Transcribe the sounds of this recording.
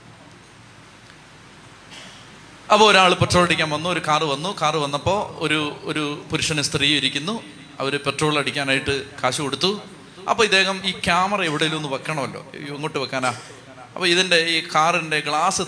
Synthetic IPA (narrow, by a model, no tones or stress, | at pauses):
ɐpːoːɾaːɭɨpeʈro̞ːɭɐɽikʲːaːnʋɐnːuo̞ɾukaːrɨʋɐnːukaːrɨʋɐnːɐpːo̞ːoɾuoɾupuɾuʂɐnɨst̪riːiɾikʲːunːu | ɐ̰ʋɐɾupe̞ʈro̞ːɭlɐɽikʲːaːnaːjiʈːɨkʰaːɕɐko̞ɽut̪ːu | ɐ̰pːoːɐd̪ːe̞ːɣɐmiːkjaːmɐrɐeʋiɽejilonːupɐkːɐɳɐmɐlːo̞̰ːŋːoːʈːɨpɐkːaːnaː | ɐpːoːiðinde̞iːkaːrinde̞ɡɭaːsɨ